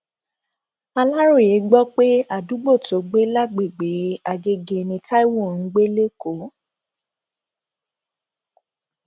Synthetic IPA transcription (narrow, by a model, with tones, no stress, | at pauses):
a˧la˦ɾo˦˨je˨˦ɡ͡bɔ˦k͡pe˦a˦˨du˨˦ɡ͡bo˦˨to˨˦ɡ͡be˦la˦ɡ͡be˨ɡ͡be˨˦a˧ɡe˧ɡe˧nĩ˧ta˦i˦wo˦˨n̩˨˦ɡ͡be˦le˦ko˨˦